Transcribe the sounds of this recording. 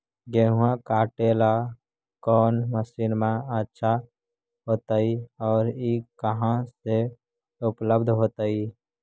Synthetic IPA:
ɡeɦuãkaːʈeːla | kɔːnməsiːnmẽətːʃʰa | ɦoːt̪aiɔːɾikəɦãse | ʊpləbd̪ʱɦoːt̪ai

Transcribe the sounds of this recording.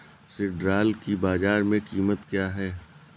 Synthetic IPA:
sɪɖɾaːlkibaːzaːɾmẽkiːmət̪kjaːɦɛː

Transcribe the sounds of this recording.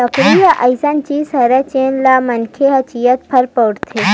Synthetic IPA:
t̪əkɾijəʔəjsãnt͡ɕisəɾət͡ɕenlamənkʰeɦət͡ɕijət̪̚pʰəɾpəwɽt̪ʰe

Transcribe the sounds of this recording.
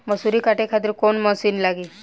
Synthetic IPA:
məsuɾiːkaʈekʰat̪̬iːɾkoɳmɔ̃siːnlaɡiː

